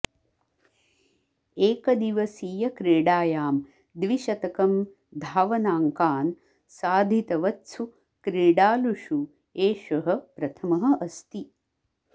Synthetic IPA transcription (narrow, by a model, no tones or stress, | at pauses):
eːkɐd̪iʋɐsiːjɐkɾeːɽaːjaːm | d̪ʋiʃɐt̪ɐkɐm | d̪ʱaːʋɐnaːŋkaːn | saːd̪ʱit̪ɐʋɐtsʰu | kɾeːɽaːluʃu | eːʃɐɦɐpɾɐt̪ʰɐmɐɦɐ̆ʔɐst̪i